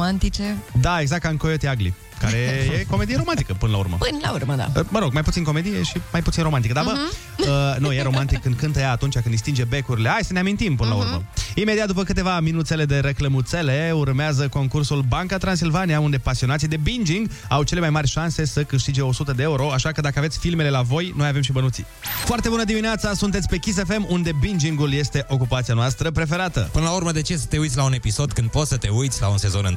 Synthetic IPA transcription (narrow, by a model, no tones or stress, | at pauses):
ant̪it͡ʃed̪ae̞ɡzak̚t̪ɨŋkojot̪iaɡlḭ | kaɾejeko̞med̪ijeɾo̞mant̪ikəpɨnəla̰ṵɾmə̰pɨnla̰urməd̪a̰məɾo̞ɡmajput̪inko̞me̞d̪ijeʃimajput̪sinɾo̞mant̪ikəd̪avə | ənujeɾo̞mant̪ikːɨnd̪kɨnt̪əjaːt̪unt͡ʃak̬ɨnd̪ist̪ind͡ʒe̞be̞kuɾile̞ajsəneamint̪impɨnəlaṵrmə̰imed̪iat̪̚d̪upəkɨt̪e̞vaminut̪se̞le̞d̪e̞ɾe̞kləmut̪se̞le̞urmeazəko̞ŋkursulbaŋkat̪ɾans̬ilvanijaund̪e̞pasio̞nat̪sid̪e̞bind͡ʒiŋɡ | awt͡ʃele̞majmarʲʃanse̞səkɨʃt̪id͡ʒeo̞sut̪əd̪eeuɾo̞aʃakəd̪akəavesʲfilme̞le̞lavo̞jnojave̞mʃibənut̪sḭ | foart̪e̞bunəd̪imineat̪sasunt̪et̪sʲpe̞kʲis̬e̞fe̞mund̪e̞bind͡ʒiŋɡulje̞st̪e̞ʔo̞kupat̪sijanoast̪ɾəpɾe̞fe̞ɾat̪ə̰pɨnəlauɾməd̪e̞t͡ʃesə̥t̪e̞ujt̪sʲlaune̞piso̞d̪kɨnd̪̚po̞t̪sət̪e̞ujt̪sʲla̰unse̞zo̞nɨ̰